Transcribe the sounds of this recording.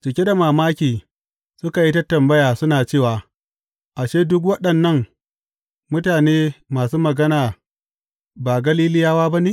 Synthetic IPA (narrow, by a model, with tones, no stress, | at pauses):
t͡ʃɪ˨kʲe˦da˨maː˨maː˦kʲiː˨ | sʊ˦ka˨ji˦ta˦tɐ˨mbɐ˦jaː˨sʊ˦naː˨t͡ʃeː˦˨waː˨ | ʔa˨ʃeː˦dʊ˦k̬wɐ˦ɗɐ˨nːɐ˦ŋ | mʊ˦taː˨neː˦maː˨suː˦mɐ˨ɡɐ˦naː˨ | baː˨ɡɐ˦liː˦lɪ˦jaː˦waː˦ba˦ni˦